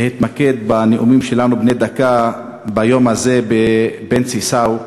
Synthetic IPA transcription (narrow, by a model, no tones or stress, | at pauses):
hit̪maked̪̚baneʔumimʃe̞lanubned̪aka | bajo̞maze̞bebent͡sisaw